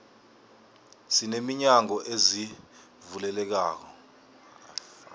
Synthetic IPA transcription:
sinemiɲaŋɔʔezi | vulɛlɛk̬aːk̬ɔ

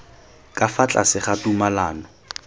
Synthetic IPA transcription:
kʼafat͡ɬʼa̰sɪχatumalaːnɔ

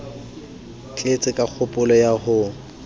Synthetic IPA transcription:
t͡ɬʼet͡sʼɪkʼak͡xʰʊpʼʊlɔjahʊ

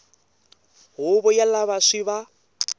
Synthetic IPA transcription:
ɦʊβɔjalaβaʂiβa

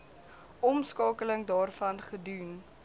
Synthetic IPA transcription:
ɔmskɑːkələŋdɑːrfɐnχədun

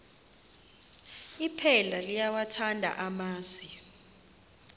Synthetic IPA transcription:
ipʰɛlalijawatʰandʱa̰ʔamaːsi

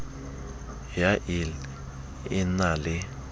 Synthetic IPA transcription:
jaʔil | inalɪ

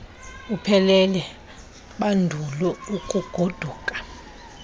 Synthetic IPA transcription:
upʰɛlɛlɛ | ɓandʱulɔukʼuɡ̥ʱod̥ʱuːkʼḁ

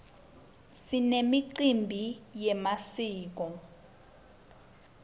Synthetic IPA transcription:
sinemiǀimbʱijɛmasiːk̬ɔ

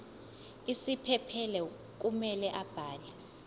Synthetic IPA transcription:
isipʰɛpʰɛlɛ | k̬ʼumɛlɛʔab̥ʱaːlɛ

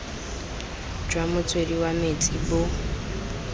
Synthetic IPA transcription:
d͡ʒwamut͡sʰweɾiwametʰʼibo

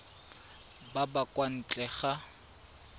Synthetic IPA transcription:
babakʼwan̩t͡ɬʼɛχa

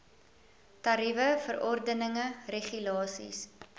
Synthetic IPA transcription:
tɐɾivəfərɔrdənəŋəreχylɑːsḭs

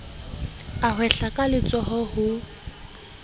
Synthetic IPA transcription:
aɦwɛɬakʼalɪt͡sʼɔhɔhʊ

